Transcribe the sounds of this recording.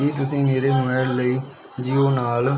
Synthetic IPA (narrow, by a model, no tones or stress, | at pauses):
iːt̪̬ʊsĩːmeːɾeːnʊməːɽləiː | d͡ʒiːoːnaːl